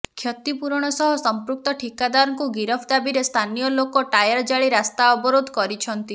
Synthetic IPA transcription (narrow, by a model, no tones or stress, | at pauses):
kʰjɔt̪ipuɾɽ̃ɔsɔɦɔsɔmpɾuk̚t̪ɔʈʰikad̪aɾɔŋkuɡiɾɔpʰd̪abiɾest̪ʰanijɔlokɔʈajaɾd͡ʒaɭiɾast̪aɔbɔɾod̪ʱɔkɔɾit͡ʃʰɔnt̪i